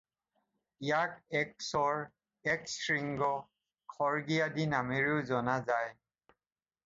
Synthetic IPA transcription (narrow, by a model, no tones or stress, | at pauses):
jakɛk̚sɔɹ | ɛksɹiŋɡɔ | kʰɔɹɡijadinameɹizɔnazaj